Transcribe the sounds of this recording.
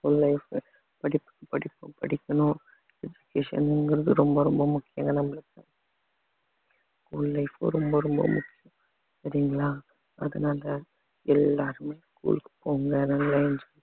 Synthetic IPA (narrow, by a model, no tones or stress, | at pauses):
fulːɐɪf | pɐɽɪpːɯ̥kːɯpɐɽɪpːɯpɐɽɪkːɐnʊ̃ | ɛd͡ʒʊkeːʂɐ̰nɪnɡɪɾɐðɯɾɔmbɐɾɔmbɐmʊkːɪja̰ŋɡɐnɐmːɐlɯkːɐ | skuːlːɐɪfɯɾɔmbɐɾɔmbɐ̰mʊkːɪjʊ̃ | sɐɾɪjŋɡɐɭaː | ɐ̰ðɐnaːlɐ | ɛlːaːɾɯmeːskṵːlkːɯ̥pːoːɣɯŋɡɐnaŋɡɐlɐɛnd͡ʒɐ